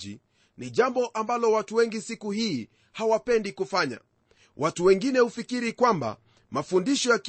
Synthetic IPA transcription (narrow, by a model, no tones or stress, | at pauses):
ḭ | niʄambɔʔambalɔwatuwɛŋɡisikuhiː | hawapɛndikufaɲa̰ | wʔatuwɛŋɡinɛhufikiɾikwamba̰ | mafundiʃɔjak